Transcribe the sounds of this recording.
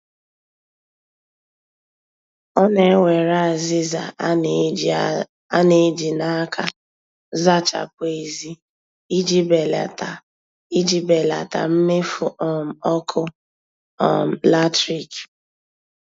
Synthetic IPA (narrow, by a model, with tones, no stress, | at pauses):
ɔ˦ne˨˦wʷe˨ɾa˦a˨zɪ˦za˨ | a˦ne˨˦d͡ʒi˨na˦kʰa˦ | za˦t͡ʃa̰˨k̚ʷe˨e˨zi˦ | i˦d͡ʒi˦be˨l | i˦d͡ʒi˦be˨la̰˨ta̰˨m̩˦me˦fu˨ʔɔ˨m̩˨ɔ˦kʰʊ˦ | ɔ̰˨m̩˨la˦tɾi˨k